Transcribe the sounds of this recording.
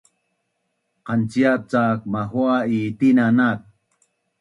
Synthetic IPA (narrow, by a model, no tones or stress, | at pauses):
qant͡siap̚t͡sak̚maɦuaitinanat̚